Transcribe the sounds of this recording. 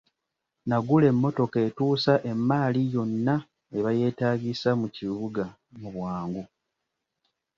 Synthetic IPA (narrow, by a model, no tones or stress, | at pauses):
naɡule̞mːo̞to̞ketuːsaʔe̞mːaːlijo̞nːa | e̞βaje̞ːtaːɡisamuciβuɡa | muβwaːŋɡu